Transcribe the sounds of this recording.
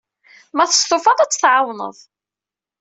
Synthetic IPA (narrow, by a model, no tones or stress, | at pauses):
mæθə̥st̪ofɑðˤæt͡sːθʕawnə̰ðˤ